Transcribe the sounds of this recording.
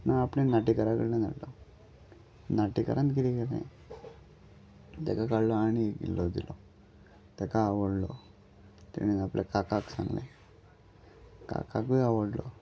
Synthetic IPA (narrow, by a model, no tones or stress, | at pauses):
naapɽẽnaʈikəɾakəɽnẽna̰ɽlɔ | naʈikə̰ɾʔãnt̪kiɾikeɾnḛ̃ | t̪ɛkakaɽlɔaɽ̃ikḭlːɔd̪ilʔɔ | t̪ɛkaːʋəɽlɔ | t̪ḛñinaplekakaksã̰ŋɡlḛ̃ | ka̰kakʋiaʋəɽlɔ